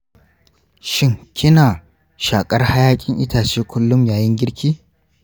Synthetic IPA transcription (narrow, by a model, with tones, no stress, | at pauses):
ʃɪ˦ŋkʰʲɪ˦naː˨ | ʃaː˨kʼɐ˦rha˦jaː˦kʲʼɪ˦ŋʔɪ˦taː˨t͡ʃeː˦kʷʊ˦lːʊ˦mjaː˨jɪ˦ŋɡʲɪ˦ɽkʲiː˦